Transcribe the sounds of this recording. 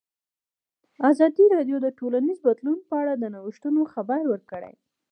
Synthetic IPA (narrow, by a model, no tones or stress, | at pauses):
azɑd̪iɾɑɖjod̪əʈolanizbad̪lunpəaɽad̪ənawiʃt̪unoxabaɾwəɾkəɽa̰j